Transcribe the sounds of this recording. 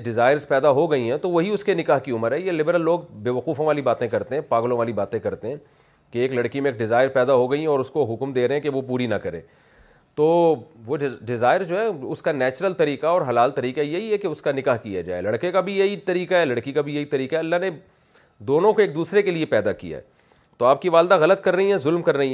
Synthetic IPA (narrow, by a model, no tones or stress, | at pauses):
ɖɪzaːɪɾzpɛːd̪aɦoɡɐiɦɛ̃t̪oʋɐɦiʊskenɪkaːɦkiʊməɾɦɛjelɪbəɾəlːoːɡ̚beːʋɐquːfõʋaːlibaːt̪ẽkɐɾt̪eɦɛ̃ːpaːɡlõʋaːlibaːt̪ẽkɐɾt̪eɦɛ̃ː | keeːklɐɽkimẽeːk̚ɖɪzaːɪɾpɛːd̪aɦoɡɐiɦɛ̃ɔːɾʊskoɦʊkmd̪eːɾɐɦẽkeʋopuːɾinɐkɐɾḛː | t̪oːʋoɖɪzaːɪɾd͡ʒoːɦɛʊskanɛːt͡ʃɾəlt̪ɐɾiːqaɔːɾɦɐlaːlt̪ɐɾiːqajɐɦiɦɛkeʊskanɪkaːɦkija̰d͡ʒa̰ːḛlɐɽkekabʱijɐɦit̪ɐɾiːqaɦɛːlɐɽkikabʱijɐɦit̪ɐɾiːkaɦɛɐlːaɦne | d̪oːnõkoeːk̚d̪uːsɾekeliepɛːd̪akḭja̰ɦɛ̰ː | t̪oaːp̚kiʋaːld̪aɣɐlət̪kɐɾːɐɦiɦɛzʊlmkɐɾːɐɦiɛ